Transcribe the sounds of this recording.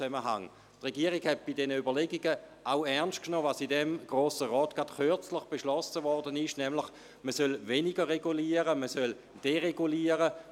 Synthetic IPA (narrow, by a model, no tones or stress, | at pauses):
t͡sɛməɦa̰ŋ | tʁeɡiːəʁiɡhɛt̚b̥idɛnəybɐleɡiɡəʔaʊɛɐnst̚knɔːvasidɛmɡ̥ʁoːsəʁɔːtɡ̥atχʏɐt͡slɪχb̥eʃlɔsəvɔɐdənɪʃnɛmlɪχ | məsœlveniɡəʁeɡuliːəʁəməsœl | d̥eʁeɡuliːəʁə